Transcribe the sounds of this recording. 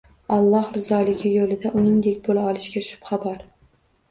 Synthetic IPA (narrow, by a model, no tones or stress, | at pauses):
ɒlˠːɒhɾɪzɒːlɪɡʲɪjolɪd̪aʔʊnɪŋd̪e̞kʲbolaɒlˠɪʃkʲaʃʊ̥pχabaɾ